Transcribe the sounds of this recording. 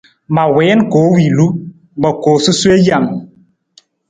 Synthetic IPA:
ma˨wɛ˨˦nkoː˨˦wi˨lu˦ | bɔ˨koː˨su˦swe˦ja˦˨m

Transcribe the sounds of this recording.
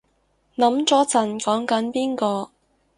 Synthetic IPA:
nɐ˨˥mt͡sɔː˨˥t͡sɐ˨˩nkɔː˨˥ŋkɐ˨˥npiː˥nkɔː˧

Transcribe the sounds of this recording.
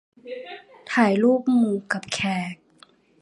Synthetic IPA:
t̪ʰaː˨˩˦jluː˥˩k̚muː˧ka˨˩p̚kʰɛː˨˩k̚

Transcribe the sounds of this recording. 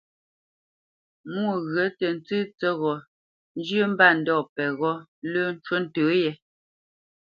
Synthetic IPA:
mu˦˨ɣɰə˨˦tɛ˨n˦t͡sʉː˦t͡sɛ˦ɣɔ˨ | n˦d͡ʒjə˦m̩˦ba˦˨n̩˨˦dɔ˦˨pɛ˨ɣɔ˦lə˦n̩˦t͡ʃwo˦n̩˨tə˨˦jɛ˨

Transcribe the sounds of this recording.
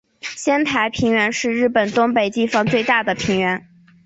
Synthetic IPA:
ɕjɛ˥nt̪ʰa˧˥ɪpʰi˧˥ŋɥɛ˧˥nʂɻ̩˥˧ɻɻ̩˥˩pə˨˩nt̪ʊ˥ŋpe˨˩ɪt̪i˥˩fɑ˧˥ŋt͡swe˥˧ɪt̪a˥˩d̪ə˩pʰi˧˥ŋɥɛ˧˥n

